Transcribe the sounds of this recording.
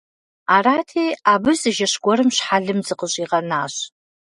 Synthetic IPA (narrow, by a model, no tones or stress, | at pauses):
aratʰejabɨzɨʒaʂɡʷɔɾɨmʃħaɮɨmzɨqʼəɕʼiʁanaːɕ